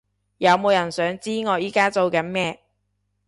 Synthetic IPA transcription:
jɐ˨˧wmo˨˧wjɐ˨˩nsœː˨˥ŋt͡siː˥ŋɔː˨˧jiː˨˥kaː˥t͡so˨˧wkɐ˨˥nmɛː˥

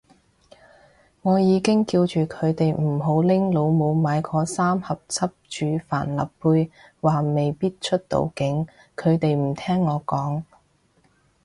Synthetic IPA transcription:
ŋɔː˨˧jiː˨˧kɪ˥ŋkiː˧wt͡ʃyː˨˩kʰɵ˨˧ɥt̪e˨jm̩˨˩ɦo˨˥wlɪ˥ŋlo˨˧wmo˨˧wmaː˨˧jkʰɔː˨˧saː˥mhɐ˨p̚t͡sʰɐ˥p̚t͡ʃyː˨˧fa̰ː˨˩nlɐ̰˨ppːuː˧j | waː˨˩me˨jpiː˥t̚t͡ʃʰɵ˥t̚t̪o̰˨˧wkɪ˨˥ŋ | kʰɵ˨˧ɥt̪e˨jm̩˨˩t̪ʰɛː˥ŋːɔː˨˧kɔː˨˥ŋ

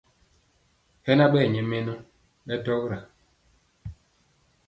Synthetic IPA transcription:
hɛ˦na˦ɓɛ˦˨ɲɛ˨mɛ˦nɔ˦ | ɓɛ˦tɔ˦kɾa˨

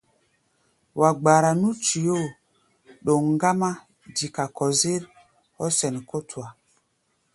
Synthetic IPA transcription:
wa˨ɡ͡ba˨ɾa˨nu˦t͡ʃi˨jo˦˨ | ɗo˨ŋŋ˦ɡa˦ma˦ | di˨ka˨kɔ˨zi˦ɾ | ɔ˦sɛ˨n˨ko˦twa˨

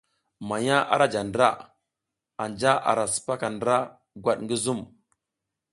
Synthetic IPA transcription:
ma˨ɲa˦ʔa̰˦ɾa˦d͡ʒa˨ndɾa˦ | a˨nd͡ʒa˦a̰˨ɾa˨su̥˨pa˦ka˨ndɾa˦ | ɡwa˦˨ɗŋɡi˦zu˦m

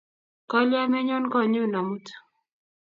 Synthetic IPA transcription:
kɔ˦lja˦mɛ˦ɲɔ˦nkɔ˦˨ɲu˦na˨mu˦t

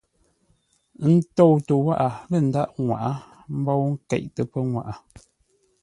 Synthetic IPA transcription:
n̩˦tɔ˦˨wtə˨wa˦ʔa˨lə˦˨n̩˨˦da˦˨ʔŋwa̰˨ʔa˦ | m̩˦bɔ˦wŋ̩˦kɛ̰˦˨ʔtə˨pə˦ŋwa̰˨ʔa˨

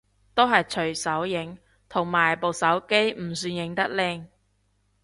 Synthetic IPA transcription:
t̪o˥wɦɐ˨jt͡ʃʰɵ˨˩ɥsɐ˨˥wjɪ˨˥ŋ | t̪ʰʊ˨˩ŋmaː˨˩jpo˨wsɐ˨˥wke˥jm̩˨˩syː˧njɪ˨˥ŋt̪ɐ˥k̚lɪ˧ŋ

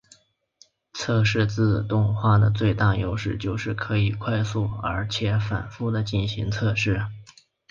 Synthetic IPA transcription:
t͡sʰɤ˥˧ʂɻ̩˥˧t͡sɹ̩˥˧t̪ʊ˥˧ŋxwa˥˩d̪ə˩t͡swe˥˧ɪt̪a˥˩jo̰˧˥ʊʂɻ̩˥˧t͡ɕjo˥˧ʊʂɻ̩˥˩kʰɤ˧˥i˨˩kʰwa˥˧ɪsu˥˩ə̰˞˧˥t͡ɕʰjɛ˧˥fa̰˨˩nfu˥d̪ə˨t͡ɕi˥˩nɕi˧˥ŋt͡sʰɤ˥˧ʂɻ̩˥˩

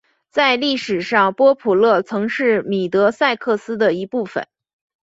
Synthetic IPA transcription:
t͡sa˥˧ɪli˥˩ʂɻ̩˨˩ʂɑ˥˩ŋpwɔ˥pʰu˨˩lɤ˥˩t͡sʰɤ˧˥ŋʂɻ̩˥˩mi˨˩t̪ɤ˧˥sa˥˧ɪkʰɤ˥˩sɹ̩˥d̪ə˨i˧˥pu˥˩fə̰˩˦n

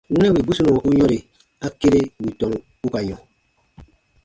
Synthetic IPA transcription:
wu˦nɛ˦wi˨bu˦su˦nu˨ɔ˨ku˦ɲɔ̃˦ɾe˨ | a˦ke˦ɾe˦˨wi˨tɔ˨m˨ | u˦ka˨ɲɔ̃˨

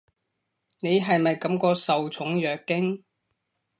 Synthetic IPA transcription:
ne˨˧jɦɐ˨jmɐ˨jkɐ˨˥mkɔː˧sɐ˨wt͡sʰʊ˨˥ŋjœː˨kːɪ˥ŋ

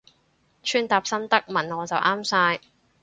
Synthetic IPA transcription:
t͡ʃʰyː˥nt̪aː˧p̚sɐ˥nt̪ɐ˥k̚mɐ˨˩nŋɔː˨˧t͡sɐ˨wʔaː˥msaː˧j

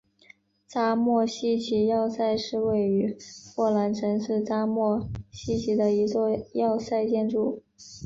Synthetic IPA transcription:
t͡sa˥mwɔ˥˩ɕi˥˩t͡ɕʰi˧˥jɑ˥˧ʊsa˥˧ɪʂɻ̩˥˧we˥˩ɪy˧˥xwɔ˥˩la˧˥nʈ͡ʂʰə˧˥nʂɻ̩˥˩t͡sa˥mwɔ˥˩ɕi˥t͡ɕʰi˧˥d̪ə˧i˧˥t͡swɔ˥˧jɑ˥˧ʊsa˥˧ɪt͡ɕjɛ˥˧nʈ͡ʂu˥˩

